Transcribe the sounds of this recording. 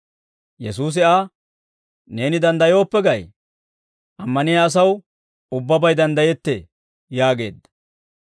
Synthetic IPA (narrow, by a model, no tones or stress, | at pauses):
jɛs̬uːs̬ɪaː | ne̞ːnɪd̪ɐnd̪ɐjo̞ːpːɛɡɐj | ʔɐmːɐnɪjɐːs̬ɐw | ʊbːɐbɐjd̪ɐnd̪ɐjɛt̪ːḛ | jaːɡe̞̰ːd̪ːɐ̥